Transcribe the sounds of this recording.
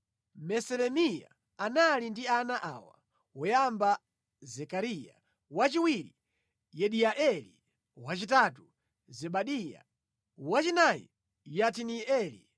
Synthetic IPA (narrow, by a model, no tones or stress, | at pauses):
mɛsɛlɛmija̰ | analindianaʔa̰wa̰ | wɔjamba | zɛkaɾija̰ | wat͡ʃiwiɾi | jɛɗiaʔɛlḭ | wat͡ʃitatu | zɛɓaɗija̰ | wat͡ʃinajḭ | jat̬iniɛlḭ